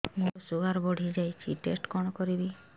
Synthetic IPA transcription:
muɾɔsuɡaɾbɔɽ̤ʱid͡ʒajt͡ʃʰiʈesʈkɔɽ̃ɔkɔɾibi

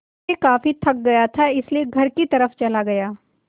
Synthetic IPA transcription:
ekaːfit̪ʰɐk̚ɡɐjat̪ʰaɪslieɡʱɐɾkit̪ɐɾəft͡ʃɐlaɡɐjaː

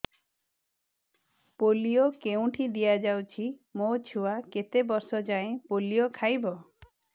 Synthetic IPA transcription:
polijokeũʈʰid̪ijad͡ʒawt͡ʃʰimot͡ʃʰuwaket̪ebɔsɔd͡ʒaẽpolijokʰajbɔ

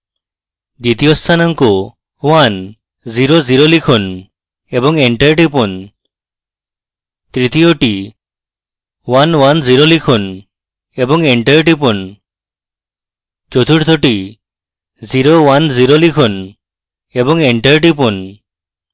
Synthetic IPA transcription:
d̪it̪ijost̪ʰanaŋku | wan | ziɾoziɾolikʰɔn | ebɔŋeɳʈeɾʈ̬ipɔn | t̪ɾit̪ijoʈi | wanwanziɾolikʰɔn | ebɔŋeɳʈeɾʈ̬ipɔn | t͡ʃot̪ʰuʈt̪ʰoʈi | ziɾowanziɾolikʰɔn | ebɔŋeɳʈeɾʈ̬ipɔn

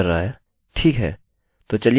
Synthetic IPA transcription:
ɐɾːaaɦɛː | ʈʰiːkɦɛ̰ː | t̪ot͡ʃɐli

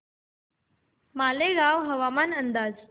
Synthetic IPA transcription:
maleɡaʋɦəʋamanənd̪aːd͡z

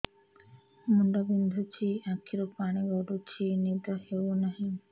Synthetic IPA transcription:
muɳɖabind̪ʱut͡ʃʰiakʰiɾɔpaɽ̃iɡɔɖut͡ʃʰinidɔhewnaɦĩ

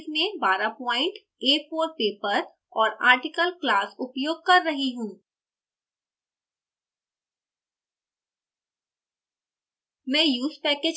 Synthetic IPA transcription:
smẽbaːɾapɔːɪ̃ɳʈ | eːfoːɾpeːpəɾ | ɔːɾa̰ːɾʈɪkəlklaːsʊpjoːɡ̚kɐɾːɐɦiɦũː | mɛ̃ːjuːzpɛːkeːd͡ʒ

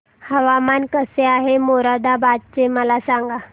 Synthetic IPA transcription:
həʋamankəseaɦemoɾad̪abad̪̚t͡ɕeməlasaŋɡa

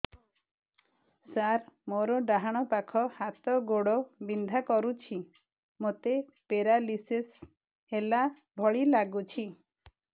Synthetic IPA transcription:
saɾmoɾɔɖaɦaɽ̃ɔpakʰɔhat̪ɔɡoɽɔbind̪ʱakɔɾut͡ʃʰi | mot̪e | peɾalises | hela | bʱɔɭilaɡut͡ʃʰi

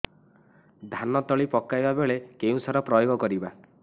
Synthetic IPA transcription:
d̪ʱanɔt̪ɔɭipɔkajbabeɭekeũsɔɾɔpɾɔjoɡɔkɔɾiba

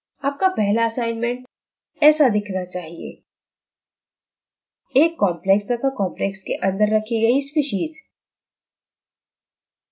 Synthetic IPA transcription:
aːp̚kapɛɦlaɐsaːɪnmɛ̃ɳʈ | ɛːsad̪ɪkʰnat͡ʃaːɦiḛː | eːkːɔːmplɛksd̪ɐt̪ʰakɔ̃ːmplekskeʔɐ̃nd̪əɾːɐkʰiɡɐispiːʃiːz

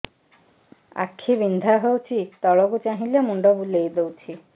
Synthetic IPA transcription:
a̰kʰːibind̪ʱaɦewt͡ʃʰit̪ɔɭɔkut͡ʃaɦĩlamuɳɖɔbulejd̪ewt͡ʃʰi

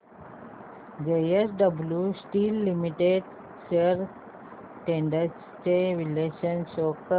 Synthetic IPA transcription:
ɡejesɖəbljusʈilːimiʈeɖ | seɾ | ʈẽɳɖəɾs | ʈeʋileːʃə̃nsoːk

